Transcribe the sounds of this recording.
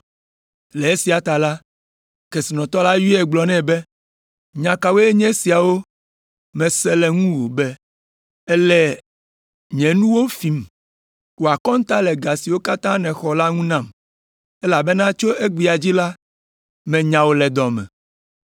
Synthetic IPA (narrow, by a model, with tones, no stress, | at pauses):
lɛ˨e˦si˨a˨t̪a˨la˦ | ke˨si˨nɔ̃˨t̪ɔ˦la˦ji˦ɛ˨ɡ͡blɔ˨nɛ̃˦bɛ˦ | ɲã˨ka˨we˦e˦ɲɛ̃˦si˨a˨wo˦ | mɛ̃˨sɛ˦lɛ˨ŋũ˦wo˨bɛ˦ | ɛ˦lɛ˦ | ɲɛ̃˨nũ˦wo˦fi˨m˨ | wo˨a˨kɔ̃˦ŋ̩˦t̪a˦lɛ˨ɡa˨si˨wo˦ka˦t̪ã˦nɛ̃˨xɔ˨la˦ŋũ˦nã˦˨m | ɛ˦la˨bɛ˦nã˦t͡ʃo˦ʔe˦ɡ͡bi˨a˨d͡ʑi˦la˦ | mɛ̃˨ɲã˨wo˦lɛ˨d̪ɔ˨mɛ̰̃˨